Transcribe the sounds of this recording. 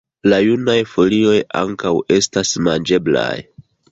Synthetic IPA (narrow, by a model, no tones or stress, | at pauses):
lajunajfo̞lio̞ja̰ŋkawe̞stasmand͡ʒe̞bla̰j